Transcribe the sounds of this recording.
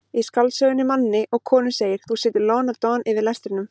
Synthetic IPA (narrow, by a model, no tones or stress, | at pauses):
iskalsœɣʏnɪmanːɪʔɔɣkʰɔːnʏseːjɪɾ̥θusɪːt̪ɪɾlɔːnaɾt̪ɔnɪvɪðlɛst̪ɾɪnʏm